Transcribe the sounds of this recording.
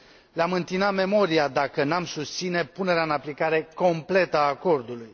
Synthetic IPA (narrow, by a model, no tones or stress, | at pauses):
leamɨnt̪inat̪me̞mo̞ɾiad̪akənamsust̪sine̞pune̞ɾeaɨnaplikaɾe̞ko̞mple̞t̪əaːko̞rd̪uluj